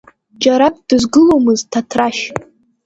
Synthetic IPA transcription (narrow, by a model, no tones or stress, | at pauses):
d͡ʒaɾak̚ʼd̥ɨzɡɨlowmɨztʰatʰraʃ